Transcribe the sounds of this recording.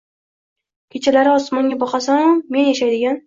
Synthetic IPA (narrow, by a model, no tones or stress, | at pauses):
kʲʰet͡ʃʰalaɾɪɒsmɒŋɡʲabɒqʰɑsamme̞njaʃajd̪ɪɡʲan